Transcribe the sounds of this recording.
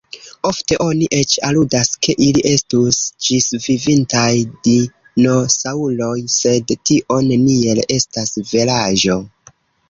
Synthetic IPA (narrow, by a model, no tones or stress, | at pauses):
o̞fte̞ʔo̞niʔe̞t͡ʃaludaskʰe̞ʔiliʔe̞stusd͡ʒisvivintajdi | no̞saulo̞jse̞dtiʔo̞nenie̞le̞stasvelaʒo̞